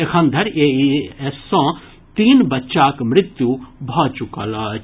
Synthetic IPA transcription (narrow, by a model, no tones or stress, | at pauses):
ekʰɐ̃nd̪ʱɐɾeiɛsõ | t̪iːnbɐtːʃaːkmɾɪt̪jubʱɔːt͡ʃukɐl